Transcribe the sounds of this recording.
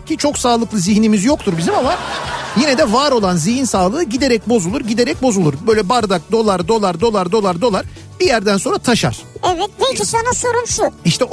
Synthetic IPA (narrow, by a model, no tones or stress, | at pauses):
cʰit͡ʃʰo̞ksaːlˠɯklˠɯziɦnimizjo̞kt̪ʰuɾbizimamajinɛd̪ɛvaːɾo̞lˠanzihinsaːlˠɯːɟid̪e̞ɾɛc̚bo̞zulˠuɾɟid̪eɾɛc̚bo̞zulˠuɾbø̞ːjlʲɛbaɾd̪ak̚d̪o̞lˠaɾd̪o̞lˠaɾd̪o̞lˠaɾd̪o̞lˠaɾd̪o̞lˠaɾ̥ | b̥ijæɾd̪ænso̞nɾat̪ʰaʃa̰ɾ̥ɛvɛt̪̚bulˠt̪ʰuʃanasoɾunsuiʃt̪ʰɛ